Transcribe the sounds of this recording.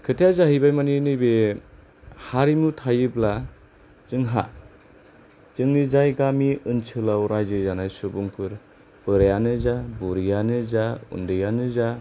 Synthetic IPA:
kʰɯtʰijazaɦijbajmaninɯjbe | haɾimutʰajɯbla | zɯŋɦa̰ | t͡ʃɯŋnizajɡamiɯnt͡ʃʰɯlawɾajzɯzanajsubuŋpʰɯɾ | b̥ɯɾajanɯzabuɾijanɯzaṵndɯjanɯza

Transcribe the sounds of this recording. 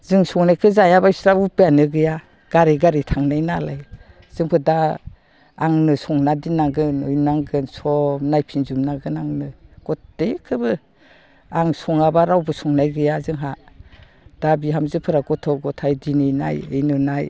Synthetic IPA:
zɯŋsɔŋnajkʰɯzajabaisɾaupɯjanɯɡɯja | ɡ̥aɾiɡaɾitʰaŋnajnalaj | z̥ɯŋpʰɯdaː | ŋnɯsɔŋnadinaɡɯnɯjnaŋɡɯnsɔmnajpʰinzumnaɡɯnaŋnɯɡ̥ɔtdejkʰɯbɯ | aŋsɔŋabaɾawbɯsɔŋnajɡɯjazɯŋɦa | d̥abiɦamzɯpʰɯɾaɡɔtʰɔɡɔtʰajdinijna̰jɯjnɯnaj

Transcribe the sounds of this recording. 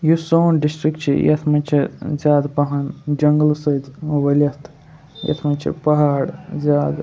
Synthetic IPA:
jusoːnɖisʈɾikt͡ʃʰḭjɐ̰t̪ʰmɐnʲt͡ʃʰizʲjaːd̪pɐɦɐnd͡ʒɐŋɡlsɐjd̪ʋɐlʲɐst̪ʰ | jɐ̰t̪ʰmɐnʲt͡ʃʰḭpɐɦaːɽzʲaːd̪

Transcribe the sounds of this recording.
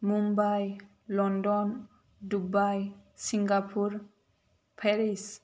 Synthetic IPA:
mumbaj | lɔndɔn | dubajsiŋɡapʰuɾ | pʰeɾis

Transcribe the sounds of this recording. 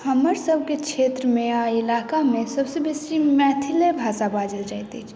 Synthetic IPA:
həməɾsəb̚ʱket͡ʃʰeːt̪ɾəmẽaɪlaːkamẽsəbsebesimɛːt̪ʰilebʱaːsabaːd͡ʒəld͡ʒat̪et͡ʃʰ

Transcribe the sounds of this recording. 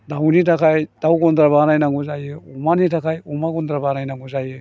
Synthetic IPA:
dawnitakʰajd̥awɡɔndɾaβanajnaŋɡuzajɯumanitakʰajumaɡɔnd̪ɾabanajnaŋɡuzajɯ

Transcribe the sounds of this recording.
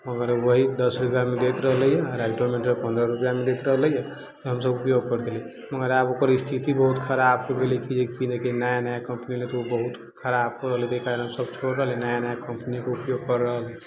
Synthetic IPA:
məɡəɾwəɦid̪əsɾupjamed̪et̪ɾəɦələjɛɾaɪʈomeʈɾəpə̃nd̪ɾəɾupjamed̪et̪ɾəɦələjɛ | t̪ɔɦəmsəbupjoɡ̚kəɾd̪eli | məɡəɾabokəɾist̪ʰit̪ibəɦut̪kʰəɾab̚kobelikid͡ʒekinekinajanajakəmpnilet̪oobəɦut̪ | kʰəɾab̚koɾəɦəlit̪eikaɾənɦəmsəbt͡ʃʰoɾɾəɦlinajanajakəmpnikeupjoɡ̚kəɾːəɦlɛ

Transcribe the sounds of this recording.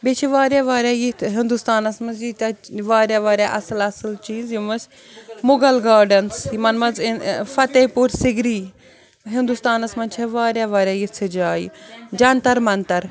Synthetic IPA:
bet͡ʃʰiʋaːɾjaːʋaːɾʲjaːjit̪ʰɦɪnd̪ust̪aːnɐsmɐsd͡ʒit̪ɐʋaːɾʲjaːʋaːɾʲjaːʔɐsɨlɐsɨlt͡ʃiːzjimɐsʲ | mʊɡɐlɡaːɾɖɐnsimɐnmɐzfɐt̪ɐpuɾsɪɡɾiː | ɦɪnd̪ust̪aːnɐsmɐnt͡ʃʰɐʋaːɾʲjaːʋaːɾʲjaːjit͡sʰɨd͡ʒaːjḭd͡ʒɐnt̪ɐɾmɐnt̪ɐɾ

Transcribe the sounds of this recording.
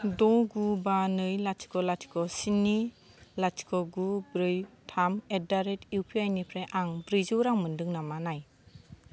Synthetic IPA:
dɔɡubanɯjlati̥kɔlatʰi̥kɔsini | lati̥kɔɡubɾɯjtʰamet̚daɾetiwpʰiajnipʰɾeʔaŋbɾizɯwɾaŋmɯndɯŋnamanaj

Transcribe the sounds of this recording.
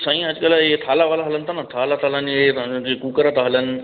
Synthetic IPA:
sãĩɐd͡ʒkəlaetʰaːlaʋaːlaɦɐlənt̪anat̪ʰaːlat̪ʰaɦləneekuːkəɾat̪aɦɐlənɪ̆

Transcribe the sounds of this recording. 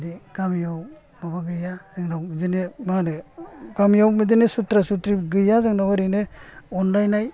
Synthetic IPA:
diɡamjaw | mabaɡɯjazɯŋnazinemanɯɡamjawmidinesutɾasutɾiɡɯjazɯŋnawaɾineɔndajnaj

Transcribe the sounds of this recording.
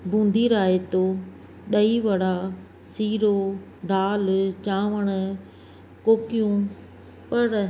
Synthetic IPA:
bʱũːnd̪ʱiːɾaːɦet̪oː | ɗɐiʋɐɽ̤a | siːɾo | d̪ʱaːlt͡ɕãːʋəɽ̃ʊ | koːkjũːn̆ | pɐɾ

